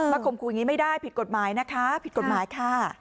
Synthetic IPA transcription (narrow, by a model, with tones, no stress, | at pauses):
maː˦˥˩kʰo˧mkʰu˧a˨˩ŋi˦˥ma˥˩jdaː˥˩jpʰi˨˩t̪̚ko˨˩t̪̚maː˩˦jna˦˥kʰa˦˥pʰi˨˩t̪̚ko˨˩t̪̚maː˨˩˦jkʰaː˥˩